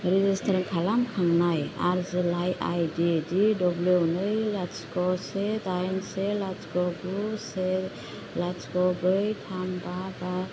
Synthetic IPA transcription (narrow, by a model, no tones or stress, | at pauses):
ɾizistʰaɾŋkʰalamkʰaŋnajaɾzilajʔa̰jdididɔblunɯjlaskɔsetajnselaskɔbɾuse | laskɔbɯjtʰambaba